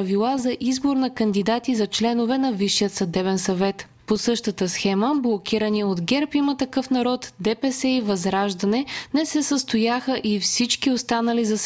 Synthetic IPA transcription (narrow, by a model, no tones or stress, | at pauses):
əvilˠazɐʔizboɾnɐkɐnd̪id̪at̪izɐt͡ʃlɛnovɛnɐviʃːijət̪sɐd̪ɛβɛnsɐvɛt̪ | posɤʃt̪ət̪əsxɛməblˠokʲiɾəniot̪ɡɛɾpimət̪ɐkɤfnɐɾɔt̪d̪ɛpɛsɛivɐzɾaʒd̪ɐnɛnɛsɛsəst̪ojaxəʔifsit͡ʃkiost̪anɐlizɐs